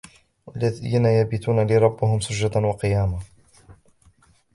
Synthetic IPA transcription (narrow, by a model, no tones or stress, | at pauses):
walːaðiːnajabiːt̪uːnalɪɾˤɑbːɪhʊmsʊd͡ʒːad̪awɑqɨjaːma